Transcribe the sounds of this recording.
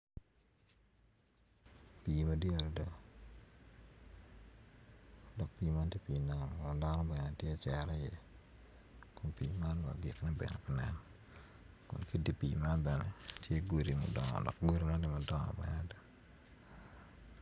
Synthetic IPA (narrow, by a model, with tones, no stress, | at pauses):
pi˨ma˨di˦a˨ɾda˦ | dɔ˨k̚pi˨˦ma˦ntje˦pi˨na˨ŋa˨da˦nɔ˦bɛ˨ne˨tje˦˨t͡ʃɛ˨ɾe˦je˦ | kʊ˨mpi˨ma˦nwa̰˨ɡɪ̰˨knɛ˦bɛ̰˨nḛ˨pi˨nɛ˨n | kʊ̰˨nki˦di˦pi˨ma˦nbɛ˨nḛ˨tje˦ɡo˨ɾi˨mɔ̰˨dɔ̰˨ŋɔ̰˨dɔ̰˨k̚ɡo˦ɾi˦ma˦nnɪ˦mɔ˨dɔ˦ŋɔ̰˨bɛ̰˦nada˦